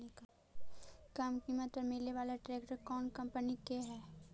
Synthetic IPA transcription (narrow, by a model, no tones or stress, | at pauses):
eka | kamkiːmət̪pəɾmɪleʋaːlaʈɾeːkʈəɾkɔːnkɐ̃mpənikeɦɛː